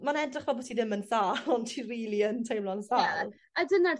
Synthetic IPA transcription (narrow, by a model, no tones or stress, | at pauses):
manɛdrɪχvɛbɔtʰidɪmənsaːlɔntʰiriːlˠiəntʰejmlˠɔnsaː | adənar